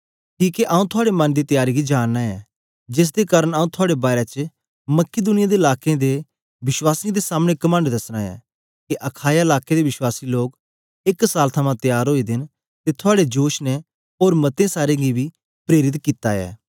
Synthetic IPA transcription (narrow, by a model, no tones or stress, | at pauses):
kiːkeʔaːũt̪ʰʊaːɽemɐ̃nd̪iːt̪jaːɾiɡid͡ʒaːnːaɛː | d͡ʒɪs̬d̪ekaːɾəɽaːũt̪ʰʊaːɽebaːɾet͡ʃ | məkɪd̪ʊnɪjad̪eɪlaːkẽd̪e | bɪʃwaːsĩd̪esaːmɽ̃ekɐmə̃ɳɖd̪ɐsɽ̃aːɛ̰ː | keʔɐkʰaːjaɪlaːked̪eʋɪʃwaːsiloːk | ɪksaːlt̪ʰəmãt̪jaːɾɦoːid̪ɪn | t̪et̪ʰʊaːɽed͡ʒoːʃnɛ | oːɾmɐt̪ẽsaːɾẽɡibiː | pɾeːɾɪt̪kit̪a̰ɛ̰ː